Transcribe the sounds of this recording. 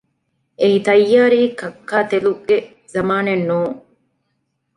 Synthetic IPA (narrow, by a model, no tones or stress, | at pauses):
ʔeit̪ɐjːaːɾiːkɐkːaːt̪eluɡe | zɐmaːnenːuːŋ